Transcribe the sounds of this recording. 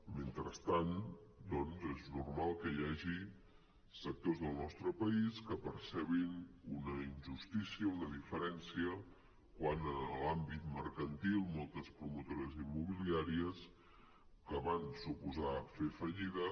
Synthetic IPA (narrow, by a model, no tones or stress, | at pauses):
ment̪ɾəst̪and̪ɔnzeznurmalˠkəjaʒi | sək̚t̪ozðəlˠnɔst̪ɾəpəiskəpəɾsɛβinunəinʲʒust̪isiəunəðifəɾɛnsiə | kwanəlambit̪məɾkənt̪ilˠmɔlˠt̪əspɾumut̪oɾəzimːuβiliaɾiəs | kəβansupuzafefəʎiðə